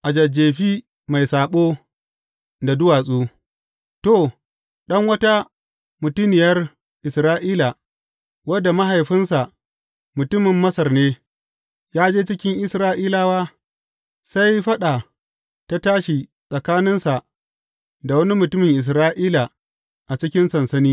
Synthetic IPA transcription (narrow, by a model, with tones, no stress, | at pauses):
ʔa˨d͡ʒɐ˨d͡ʒeː˨ɸiː˦ | ma˨jsaː˨ɓoː˦ | da˨dʊ˦waː˨sʼuː˦ | to˨ | ɗɐ˦ŋwɐ˦ta˦ | mʊ˨tʊ˦nɪ˨jɐ˦r | ʔɪ˨sɾaː˦ʔiː˦la˨ | wɐ˦dːa˨ma˦ɦa˨jɸɪ˦nsa˨ | mʊ˨tʊ˦mɪ˨mːɐ˦sɐ˨rneː˦ | jaː˦d͡ʒeː˦t͡ʃɪ˦kʲɪ˦ŋʔɪ˦sɾaː˦ʔiː˦laː˦waː˦ | sa˦jɸɐ˦ɗa˨ | ta˦taː˦ʃi˨ | sʼɐ˨kaː˦nɪ˦nsa˨ʔ | da˨wɐ˦ni˦mʊ˨tʊ˦mɪ˨ŋʔɪ˨s̬ɾaː˦ʔiː˦la˨ | ʔa˨t͡ʃɪ˦kʲɪ˦nsɐ˨nsɐ˦niː˦